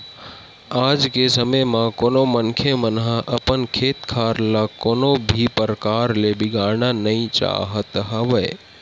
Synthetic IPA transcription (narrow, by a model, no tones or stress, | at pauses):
aːd͡ʒkesəməjmãkoːnomənkʰemənɦə̃ʔəpənkʰeːt̪kʰaːɾlakoːnobʱipəɾəkaːɾlebɪɡaːɾnanɐĩt͡ʃa̰ːɦət̪ɦəʋəe